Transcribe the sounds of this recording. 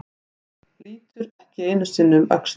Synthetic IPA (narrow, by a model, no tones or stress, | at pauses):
liːt̪ʏɾɛhcɪeːjnʏsɪnːʏma̰ks